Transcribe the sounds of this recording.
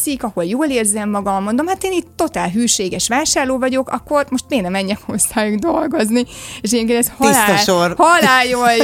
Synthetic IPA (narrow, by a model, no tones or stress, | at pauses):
sikɒho̞ljoːleːrzɛmːɒɡɒmːond̪o̞mhat̪eːniːt̪ːo̞t̪aːlɦyːʃeːɡɛʃʋaːʃaːrloːvɒɟo̞kɒ̰kːo̞rmo̞ʃt̪meːɡnɛmɛɲːɛkhosːaːjuɡd̪olɡo̞znieːʃɛjemkend̪ɛshilaːɔorhɒlaːjoj